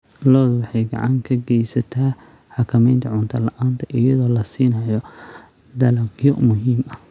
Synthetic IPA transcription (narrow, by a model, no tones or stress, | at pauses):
lɔːðwɑħɑjɡɑ̰ʕɑŋkʰɐɡɛjsɐt̪ʰaħɑkʰɐmɛjnt̪ʰɐʕʊnt̪ʰɐlɐʔaːnt̪ʰɐʔɪjɐðɔːlɐsiːnɐjɔ | d̪ɐlɐkjɔmʊɦiːmɐ